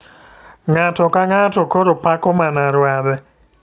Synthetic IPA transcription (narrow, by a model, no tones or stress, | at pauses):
ŋatɔkaŋatokoɾopakɔmanaɾwabɛ